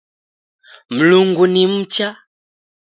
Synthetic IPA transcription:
m̩luŋɡunim̩t͡ʃa

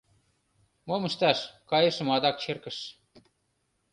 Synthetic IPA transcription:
momə̆ʃt̪ɑʃkɑjɤ̆ʃə̆mɑd̪ɑk̚t͡ɕerkə̆ʃ

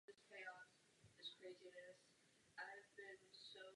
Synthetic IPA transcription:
ɨz̥pʰeɪɑ̃n | ɨz̥kʰɹ̥eɪzinɨs | ʔaɪvbɪ̃nsoʊ

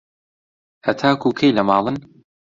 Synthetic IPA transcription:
hɐt̪ʰaːkukʰejlɐmɑːlˠɨn

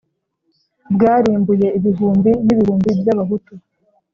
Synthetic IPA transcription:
bɡaːɾiːmbuje̞iβiɦuːmbiniβihuːmbibjaβaβutu

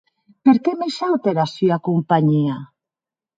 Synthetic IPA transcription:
peɾkemeʃawt̪eɾasyakompaɲia

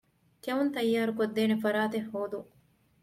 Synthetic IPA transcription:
kɐunt̪ɐjːaːɾukod̪ːeːnefɐɾaːt̪ehːoːd̪u

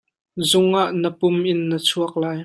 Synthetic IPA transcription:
zʊŋʔaʔnəpʊmʔɪnːət͡sʰuɐk̚laːj

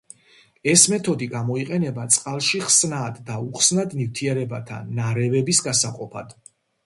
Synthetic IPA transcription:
ɛsmɛt̪ʰɔd̪iɡamɔiqʼɛnɛbat̪sʼqʼalˠʃiχsnaːd̪ːauχsnad̪nift̪ʰiɛɾɛbat̪ʰa̰naɾɛvɛbisɡasaqʼɔpʰa̰d̪̥

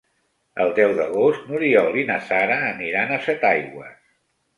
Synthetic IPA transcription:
əlˠd̪ɛwðəɣost̪nuɾiɔlinəsaɾəːniɾanəsɛt̪ajɣwəs

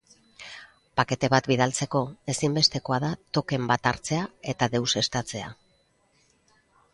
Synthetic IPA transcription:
pake̞t̪e̞β̞at̪biðalt͡se̞ko̞e̞simbe̞st̪e̞ko̞aðat̪o̞ke̞mbat̪aɾt͡se̞ae̞t̪aðe̞wse̞st̪at͡se̞a

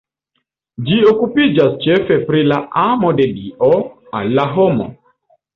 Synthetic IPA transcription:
d͡ʒiɔkupid͡ʒast͡ʃɛfɛpɾilaʔamɔdɛdiɔ | a̰laɦɔmɔ̰

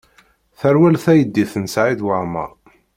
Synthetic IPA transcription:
θæɾwælθæjəd̪ːiθənsʕiðwəʕmɑ̰

